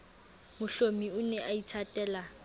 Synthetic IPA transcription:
mʊɬomiʊnɛʔaitʰatʼɛːla

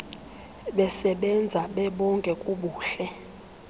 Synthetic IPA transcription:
ɓɛsɛɓɛnd͡zʱaɓɛɓɔŋkʼɛkʼuɓuːɬɛ

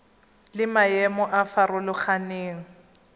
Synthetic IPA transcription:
lɪmajɛmɔʔafarʊlʊχaneːŋ̩

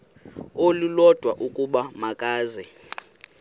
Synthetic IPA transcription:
olulɔd̥ʱwaʔukʼuɓamakʼaːzɛ

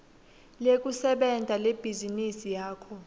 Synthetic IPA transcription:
lek̬ʼusɛɓɛndʱaleb̥ʱizinisijaːkʰɔ

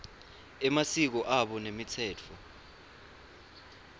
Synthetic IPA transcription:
ɛmasik̬ɔʔaɓɔnemitʰɛːt͡fʰɔ

